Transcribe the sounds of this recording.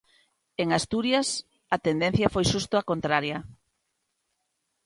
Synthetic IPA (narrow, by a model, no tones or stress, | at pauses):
eŋast̪uɾjɐs | ɐt̪end̪ẽn̟θjɐfojʃust̪oakont̪ɾaɾjɐ